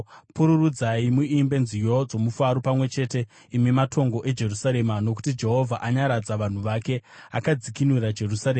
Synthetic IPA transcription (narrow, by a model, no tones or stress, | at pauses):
puɾurud͡zaimuimbe̞nzijo̞d͡zo̞mufaɾopamwe̞t͡ʃe̞te̞ | imimatʰo̞ŋɡo̞ʔe̞d͡ʒe̞rusaɾe̞mano̞ku̥tid͡ʒe̞ɦo̞vʱaʔaɲaɾad͡zaʋan̤uʋake̞akad͡zikinwiɾad͡ʒe̞rusaɾema